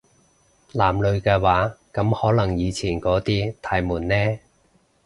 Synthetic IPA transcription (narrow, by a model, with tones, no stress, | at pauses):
laː˨˩mlɵ˨˧ɥkɛː˧waː˨˥kɐ˨˥mhɔː˨˥lɐ˨˩ŋjiː˨˧t͡sʰiː˨˩nkɔː˨˥t̪iː˥t̪ʰaː˨˥jmuː˨˩nːɛː˥